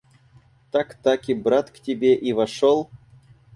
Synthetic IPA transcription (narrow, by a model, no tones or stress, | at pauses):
t̪akt̪akʲibɾat̪ktʲebʲeʔivaʂolˠ